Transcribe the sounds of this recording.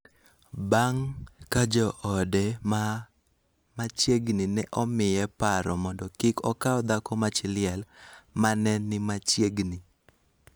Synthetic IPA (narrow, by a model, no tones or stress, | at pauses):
baŋkad͡ʒɔʔɔdɛma | mat͡ʃjeɡninɛʔɔmɪjɛpaɾɔmɔndɔkɪkɔkaɔd̪akɔmat͡ʃɪlɪjɛlmanɛnːɪmat͡ʃjeɡni